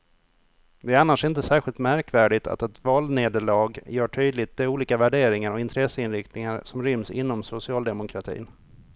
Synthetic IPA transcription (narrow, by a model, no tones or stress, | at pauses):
d̪ɛæɾanːaʂɪnt̪əsæːɾɧɪlt̪mæɾkvæːɖɪt̪ʰa̰t̪ɛt̪vɑːlneːd̪əɭɑːɡjœːʈʰyːd̪lɪt̪̚d̪ɛuːliːkavæɖeːɾɪŋaɾɔɪnt̪ʰɾɛsːəɪnɾɪkt̪nɪŋaɾsɔmɾʏmsɪ̰nːɔmsʊsɪɑːld̪ɛmʊkʰɾat̪ʰḭːn